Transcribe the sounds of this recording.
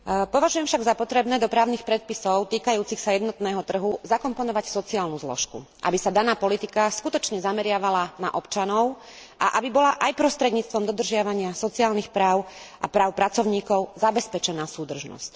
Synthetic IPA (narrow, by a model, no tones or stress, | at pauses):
pɔʋaʒujɛmfʃaɡzapɔt̪ɾɛbnɛːd̪ɔpɾaːʊnixpɾɛt̪̚pisɔʊt̪iːkajuːt͡sixsajɛd̪nɔt̪nɛːɦɔt̪r̩ɦuzakɔmpɔnɔʋacsɔt͡siaːlnuzlɔ̰ʃkṵʔa̰bisad̪anaːpɔlit̪ikaskut̪ɔt͡ʃɲɛzamɛɾɪaʋalana̰ʔɔpt͡ʃanɔʊ | ʔa̰ʔabibɔlaʔajpɾɔst̪ɾɛd̪ɲiːt͡st̪ʋɔmd̪ɔd̪r̩ʒɪaʋaɲɪasɔt͡siaːlnixpɾaːʊʔa̰pɾaːʊpɾat͡sɔʊɲiːkɔʊzabɛspɛt͡ʃɛnaːsuːd̪r̩ʒnɔ̰sc